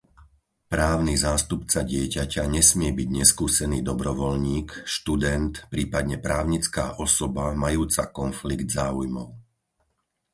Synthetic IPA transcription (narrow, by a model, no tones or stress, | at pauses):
pɾaːʊnizaːst̪upt͡saɟɪɛcacaɲɛsmɪɛbiɟɲɛskuːsɛniːd̪ɔbɾɔʋɔlɲiːkʃt̪ud̪ɛnt̪pɾiːpad̪ɲɛpɾaːʊɲit͡ska̰ːʔɔsɔbamajuːt͡sa̰kɔnfliɡd̪zaːujmɔʊ